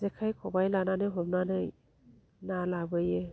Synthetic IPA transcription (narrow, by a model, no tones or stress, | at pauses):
zekʰajkʰɔbajlananɯjɦɔmnanɯj | nalabɯje